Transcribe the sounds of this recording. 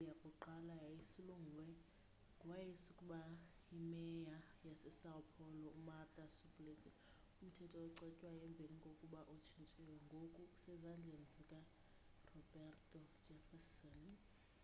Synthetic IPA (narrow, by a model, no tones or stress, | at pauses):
lijakʼuǃalajajisiluŋɡʱulwɛ | ŋɡʱwajisukʼuɓa | imɛja | jasɛsaɔpʰɔlɔumartʼasubʼlesɛ | um̩tʰɛtʼɔːǀɛcʼwajɛmbʱeliŋɡʱokʼuɓaʔot͡ʃʰint͡ʃʼɛwɛŋɡʱokʼuusɛzand͡ɮʱenzʱʼikʼa | rɔbɛrtʼɔ̥d͡ʒʱɛfɛsɔn